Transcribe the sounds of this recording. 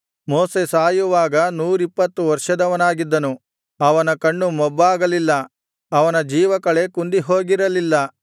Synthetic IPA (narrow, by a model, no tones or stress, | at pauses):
moːse̞saːjuʋaːɡɐnuːɾipːɐt̪ːuʋɐɾʂɐd̪ɐʋɐnaːɡid̪ːɐnu | ɐʋɐnɐkɐɳːumɔbːaːɡɐlilːɐ | ɐʋɐnɐd͡ʒiːʋɐkɐɭe̞kund̪iɦo̞ːɡiɾɐlilːɐ